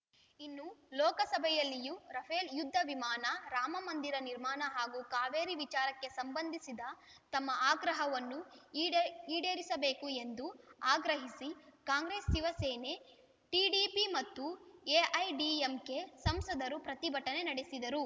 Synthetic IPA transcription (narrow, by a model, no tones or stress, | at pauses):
inːulɔːkɐsɐbʱɛjɐlːijuɾɐpʰeːljud̪ʱːɐʋimaːnɐɾaːmɐmɐnd̪iɾɐniɾmaːnɐɦaːɡukaːʋeːɾiʋit͡ʃaːɾɐkːe̞sɐmbɐnd̪ʱisid̪ɐ | t̪ɐmːɐʔaːɡɾɐɦɐʋɐnːu | iːɽeːɾisɐbe̞ːkue̞nd̪uaːɡɾɐɦisikaːŋɡɾeːsːiʋɐseːne̞ | ʈiːɖipimɐt̪ːueːʔɐjɖiemke̞sɐmsɐd̪ɐɾupɾɐt̪ibʱɐʈːɐne̞nɐɽesid̪ɐɾu